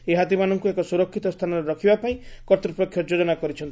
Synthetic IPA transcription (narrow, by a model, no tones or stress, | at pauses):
eɦat̪imanɔŋkuekɔsuɾɔkʰːit̪ɔst̪ʰanɔɾeɾɔkʰibapaĩkɔɾt̪ɾɔpɾɔkʰːjɔd͡ʒod͡ʒɔnakɔɾit͡ʃʰɔnt̪